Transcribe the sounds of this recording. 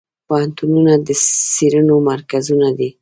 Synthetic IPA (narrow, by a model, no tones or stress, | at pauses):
pohant̪ununad̪əsiɾənomaɾkazunad̪i